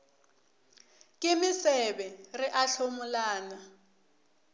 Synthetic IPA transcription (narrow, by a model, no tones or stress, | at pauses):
kʼɪmɪsɛbɛrɪʔaɬomʊlaːna